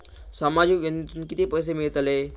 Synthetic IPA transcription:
səmad͡ʑukjənit̪unkit̪epəjs̬emiɭət̪ale

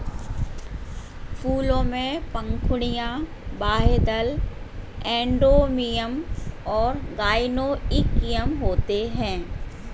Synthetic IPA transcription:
fuːlõmẽpɐ̃ŋkʰʊɽ̃ijã | baːɦed̪əl | ɛ̃ːɳɖomijəmɔːɾɡaːɪnoɪkijəmɦoːt̪eɦɛ̃ː

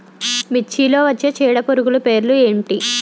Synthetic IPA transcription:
mit͡ʃːilo̞ːʋɐt͡ʃːet͡ʃiːɽɐpoɾuɡulupe̞ːɾlue̞ːɳʈi

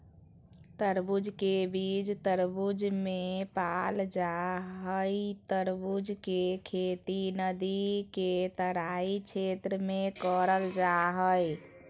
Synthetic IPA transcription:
t̪əɾbud͡ʒkebid͡ʒt̪əɾbud͡ʒmepald͡ʒaɦəjt̪əɾbud͡ʒkekʰet̪inəd̪iket̪əɾaikt͡ʃʰet̪ɾəmekəɾəld͡ʒaɦəj

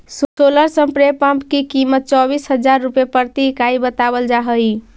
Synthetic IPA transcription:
ssoləɾsəmpɾepə̃mpkikimət̪̚t͡ʃɔbisɦəd͡ʒaɾːupjepəɾt̪ikaibət̪abəld͡ʒaɦəi

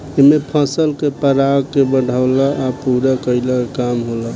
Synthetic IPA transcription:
emepʰə̃səlkepəɾaɡkebəɽ̤ʱaʊlaːpuɾakəɪlaekamɦola

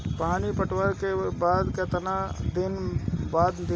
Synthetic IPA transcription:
paːnipɐʈʰʋəɾkebaːd̪ket̪ɐnad̪ɪnbaːd̪d̪ɪ

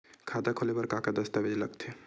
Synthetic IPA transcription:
kʰaːt̪akʰolebɐɾkaːkad̪ɐst̪abed͡ʒlɐɡt̪ʰe

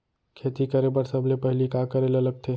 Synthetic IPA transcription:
kʰet̪ikəɾebəɾsəblepəɦlikakəɾeleləɡ̚t̪ʰe

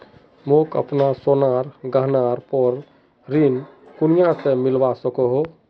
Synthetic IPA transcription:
mokə̰pnasonaɾɡəɦnaɾpɔɾ | ɾinkunijãsemɪlbasəkɔɦo

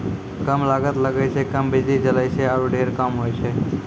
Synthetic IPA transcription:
kəmlaːɡət̪ləɡəjsʰekəmbɪd͡ʒlid͡ʒələit͡ʃʰeaːɾuɖʱeːɾkamɦoːjt͡ʃʰeː

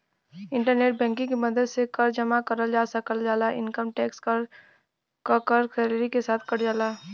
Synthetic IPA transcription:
ɪ̃ɳʈəɾneːʈ̚bɛ̃ːŋkɪ̃kiməd̪əlsekɐɾd͡ʒɐmakɐɾəld͡ʒaːsɐkəld͡ʒaːlaʔɪ̃nkəmʈɛːks | kəɾkɛːleɾikesaːt̪ʰkɐɽd͡ʒaːlaː

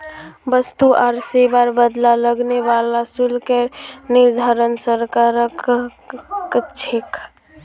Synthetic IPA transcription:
bəst̪uʔaɾsebaɾbəd̪laləɡnebalasulkeniɾd̪ʱaɾənsəɾkaɾək | kt͡ʃʰek

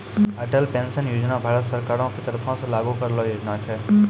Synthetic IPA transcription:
əʈəlpẽnsənjud͡ʒnabʱaɾət̪səɾkaɾõkit̪əɾpʰõslaɡukəɾelojod͡ʒnat͡ʃʰe

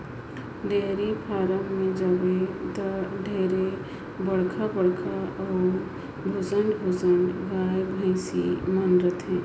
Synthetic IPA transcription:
ɖeːɾipʰaːɾəmmẽd͡ʒəbed̪ɖʱeːɾe | bəɽkʰabəɽkʰaɔː | bʱʊsəɳɖbʱosəɳɖɡaːjbʱə̃ɪ̃sḭmənɾət̪ɦɛ̃ː

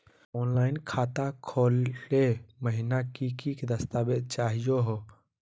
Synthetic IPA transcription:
ɔnlaɪnkʰat̪akʰoleməɦinakikikd̪əst̪abed̪̚t͡ʃaɦijoɦo

